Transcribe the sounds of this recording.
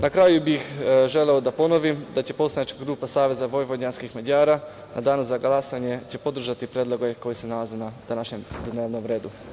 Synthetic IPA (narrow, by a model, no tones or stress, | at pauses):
nakɾajubixʒe̞le̞od̪apo̞no̞ʋimd̪at͡ɕe̞po̞slajet͡ʃkaɡɾuːpasaːʋe̞zaʋo̞jʋodɲanskixmad͡ʑaːɾa | nʔad̪aːnuzaɡlˠasaɲe̞t͡ɕe̞po̞d̪r̩ʒat̪ipɾjed̪lˠo̞ɡoeko̞jese̞nalˠazenad̪anaʃɲe̞md̪neːʋno̞mɾe̞ːd̪u